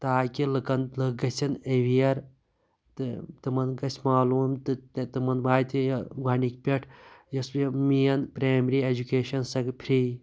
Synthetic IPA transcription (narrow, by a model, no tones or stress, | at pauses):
t̪aːkʲilɨkɐnlɨɡɐsʲɐneʋijɐɾ | t̪ɨt̪ɨmɐnɡɐsʲʰmaːluːmt̪ɨt̪t̪ɨmɐnbaːt̪ʰʲiɡaːnik̚ʲpʲeʈʰjɐspʲimijɐnpɾaːmɾiːed͡ʒukeːʃɐnsɐkpʰɾiː